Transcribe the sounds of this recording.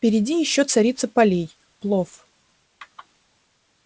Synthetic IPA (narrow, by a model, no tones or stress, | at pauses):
pʲɪɾʲɪdʲijɪɕːot̪sɐɾʲit̪səpɐlʲej | plˠof